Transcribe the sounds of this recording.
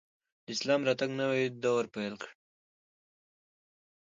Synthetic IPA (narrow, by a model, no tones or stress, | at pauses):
d̪əɪslɑmɾɑt̪aɡnawaid̪awəɾpajlkɽ